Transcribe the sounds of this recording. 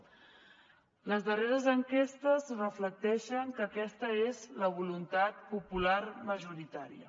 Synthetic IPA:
ləzðəreɾəzəŋkest̪əzrəflək̚t̪ɛʃəŋkəkɛst̪əezləβ̞ulunt̪at̪̚pupularməʒuɾit̪aɾiə̰

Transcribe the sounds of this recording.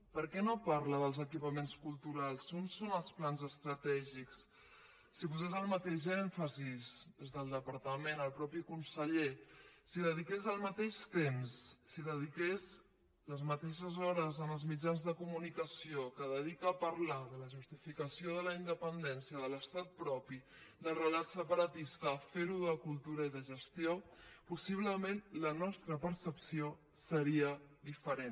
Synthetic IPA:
pəɾkɛnopaɾləðəlˠzəkipəmenskulˠt̪uɾalˠsunsonəlˠsplanzəst̪ɾət̪ɛʒiksː | ipuzɛzəlˠmət̪eʒɛɱfəzizd̪ezðəlˠd̪əpəɾt̪əmenəlˠpɾɔpikunsəʎesiðəðikezəlˠmət̪eʃt̪emsːiðəðikez | ləzmət̪eʃəzɔɾəzənəlˠzmid͡ʒanzðəkumunikəsiokəðəðikəːpəɾlaðələʒust̪ifikəsioð̞ələind̪əpənd̪ɛnsiəðələst̪at̪̚pɾɔpi | ðəlˠrəlat̪səpəɾət̪ist̪əːfeɾuðəkulˠt̪uɾəiðəʒəst̪iopusiβ̞ləmenlənɔst̪ɾəpəɾsəpsio | səɾiəðifəɾen

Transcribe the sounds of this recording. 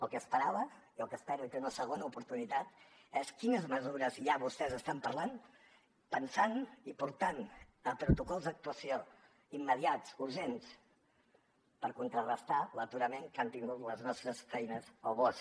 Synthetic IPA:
əlˠkəːspəɾaβə | iəlˠkəspɛɾuit̪əunəsəɣ̞onəupuɾt̪unit̪at̪ɛskinəzməzuɾəzjaβust̪ɛzəst̪ampəɾlan | pənsanipuɾt̪anəpɾut̪ukɔlˠzd̪ək̚t̪uəsio | imːəðiatt͡suɾʒens | pəɾkunt̪ɾərəst̪alət̪uɾəmeŋkant̪iŋɡut̪ləznɔst̪ɾəsfɛjnəzoβɔs

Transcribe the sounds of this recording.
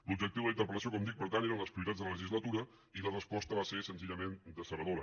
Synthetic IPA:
lub̚d͡ʒəkt̪iwðlint̪əɾpələsiokɔmd̪ik̚pəɾt̪aneɾənləspɾiuit̪ad͡zðələləʒizlət̪uɾə | ilərəspɔst̪əβasesənziʎəmend̪əsəɾəðoɾə

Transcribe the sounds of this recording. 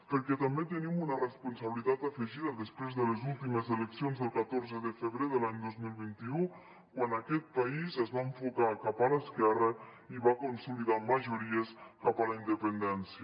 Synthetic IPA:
pəɾkɛt̪əmbet̪ənimunərəspunsəβəlit̪at̪əfəʒiðəðəspɾezðələzulˠt̪iməzələksionzðəlˠkət̪oɾzəðəfəβɾeðəlaɲd̪ozmilˠβint̪iu | kwanəkɛt̪̚paizəzβaəɱfukakapələskɛrə | iβakunsuliðaməʒuɾiəskapələind̪əpənd̪ɛnsiə

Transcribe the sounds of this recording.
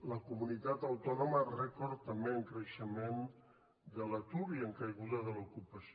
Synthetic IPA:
ləkumunit̪at̪əwt̪ɔnomərɛkɔɾt̪ːəmbeəŋkɾəʃəmen | d̪ələt̪uɾiəŋkəjɣuðəðəlukupəs

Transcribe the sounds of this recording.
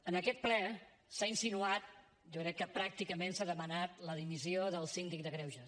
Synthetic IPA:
ənəkɛt̪̚plɛ | sainsinuat̪̚ | ʒɔkɾɛkːəpɾak̚t̪ikəmensaðəmənat̪ləðimizioðəlˠsind̪ik̚d̪əɣɾɛwʒə

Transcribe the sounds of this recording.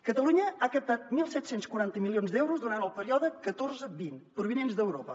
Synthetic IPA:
kət̪əluɲəakəp̚t̪at̪̚milˠsɛt̪senskwuɾant̪əmilionzd̪ɛwɾuzd̪uɾant̪əlˠpəɾiɔðəkət̪orzəbinpɾuβinenzd̪əwɾopə

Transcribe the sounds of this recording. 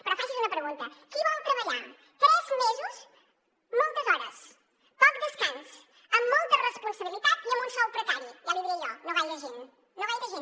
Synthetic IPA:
pɾɔfaʒizunɐpɾəɣunt̪əkiβɔlˠt̪ɾəβəʎa | t̪ɾɛzmezus | mɔlˠt̪əzɔɾəs | pɔk̚d̪əskans | əmːɔlˠt̪ərəspunsəβilit̪at̪iəmbunsɔwpɾək̪aɾiʒaliðiʎɔnoβajləʒin | noβajʎəʒin

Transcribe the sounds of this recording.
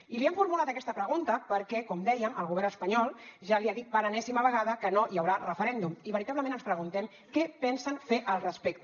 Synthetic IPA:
ilieɱfuɾmulat̪əkɛst̪əpɾəɣ̞unt̪əpəɾkɛkɔmd̪ɛjəməlˠɣuβɛɾnəspəɲɔlˠʒaliaðit̪̚pəɾənɛsiməβəɣaðəkənojəwɾarəfəɾɛnd̪umiβəɾit̪aβləmẽnənspɾəɣunt̪ɛm | kɛpɛnsənfeʔəlˠrəspɛk̚t̪

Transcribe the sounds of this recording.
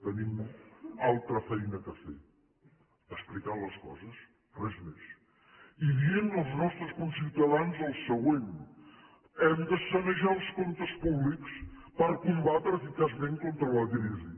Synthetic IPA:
t̪ɐnimualˠt̪ɾɐfɛjnɐkɐfɛ̰ | ɐʃplikaɾlɐʃkɔ̰zɐʃ | t̪rɛzmeʃ | iviennɐwznɔʃt̪ɾuskõsiwt̪ɐðanuzɐlˠssɐɣwẽn | ɛ̃md̪ɐsɐnɐʒaɾuʃkõnt̪ɐʃpuβliku̥ʃpɐɾɐkũmbat̪ɾefikazmẽnt̪̚kõnt̪ɾɐlɐkɾizi

